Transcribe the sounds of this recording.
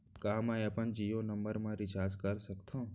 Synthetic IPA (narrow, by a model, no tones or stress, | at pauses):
kamãepənd͡ʒijonəmbəɾmãɾɪt͡ʃaːɾd͡ʒkəɾsəkt̪ʰõ